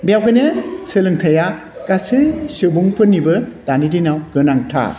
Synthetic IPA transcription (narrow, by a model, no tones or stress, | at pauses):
bijawkɯjnɯsʰɯlɯŋtʰaja | kasɯsɯbuŋpʰɯnːibɯtanidinawɡɯnaŋtʰa̰